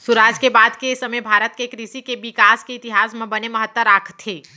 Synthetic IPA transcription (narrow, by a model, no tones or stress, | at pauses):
suɾaːd͡ʒkebaːd̪kesɐməjbʱaːɾət̪kekɾisikeʋɪkaːskeɪːt̪ɪɦaːsmẽbɐnemɐɦət̪ːwəɾaːkʰt̪ʰːeː